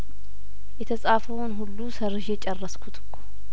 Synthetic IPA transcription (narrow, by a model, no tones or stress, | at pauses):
jɛt̪ʰəsʼaːfəwnɦulːusərːɨʃjɛt͡ʃʼɛrːəskʰut̪ʰɨ̥kʰːo̥